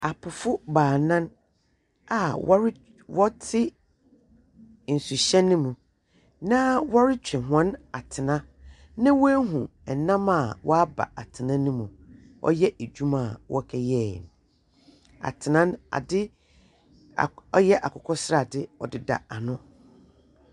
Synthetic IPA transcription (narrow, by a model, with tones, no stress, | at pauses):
a˨pʰʊ˨fʊ˦baː˨nã˦n | a˨w | wɔ˦tʰɪ˦ | n̩˨su˨ɕɛ̃˦nʊ̃˦mũ˨ | nã˦wɔ˦ɾɪ˦t͡ɕᶣɛ̃˨ɦã˦na˨tʰɪ˨nã˦ | nã˦wɔ˦ɦũ˨ɛ˨nã˦ma˨wʔɔ̰˦a˦ba̰˨a˨tʰɪ˨nã˦nũ˦mũ˨ | ʔɔ̰˦jɛ˦ʔe˨d͡ʑᶣu˦mã˦˨wʔɔ̰˦kʰɛ˦jɛ˦˨n˨ | a̰˨tʰɪ˨nã˦na̰˨dɪ˦˨ | ɔ˦jɛ˦ʔa˨kʰɔ˨kʰɔ˦sɾa˨dɪ˦ɔ˨dɪ˨da̰˨a˨nʊ̃˦